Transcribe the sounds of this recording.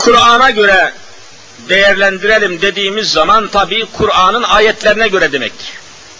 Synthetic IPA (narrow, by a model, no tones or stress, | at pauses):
kʰuɾɑːnɑɟø̞ɾɛ | d̪ɛjæɾlʲænd̪iɾælʲimd̪ed̪iːmizːɑmɑnt̪ʰɑbiːkʰuɾɑːnɯnaːjɛt̪ʰlʲæɾinɛɟø̞ɾɛd̪emɛc